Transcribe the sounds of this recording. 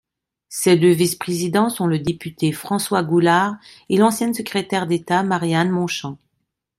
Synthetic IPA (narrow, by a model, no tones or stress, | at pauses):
sed̪øvispχezid̪ɑ̃sɔ̃ləd̪epyt̪efχɑ̃swaɡulaʁ | elɑ̃sjɛ̃səkχet̪ɛʁd̪et̪amaʁjanmɔ̃ʃɑ̃